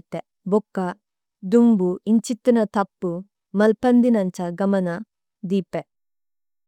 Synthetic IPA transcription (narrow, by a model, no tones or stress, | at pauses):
t̪ɛ | bɔkːa | d̪uŋbuint͡ʃit̪ːɯnat̪ʰak̚pu | mɐlpɐnd̪inant͡ʃaɡɐmɐna | d̪ipɛ